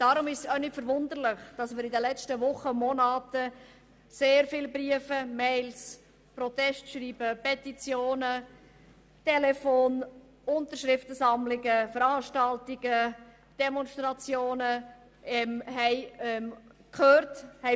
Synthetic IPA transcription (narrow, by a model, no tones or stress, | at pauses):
d̥ɑɾʊmɪʃsœʏnɪtfəɾvʊnd̪əɾlɪχd̥ɑsmɪːɾɪdəlɛt͡ʃtəʋʊχəmɔnɑːtə | seːɾfɪlbriəfəmɛɪls | pɾɔt̪ɛstʃɾiːb̥əpɛtit͡sjoːnə | tɛlɛfoːn | ʊntəɾʃɾɪftəsɑmlɪɡəfəɾɑːʃtɑltɪɡ̥ə | d̥ɛmɔnstɾɑt͡sjoːnə | ɛmɦɛɪɛmkʰχøːɾthɛ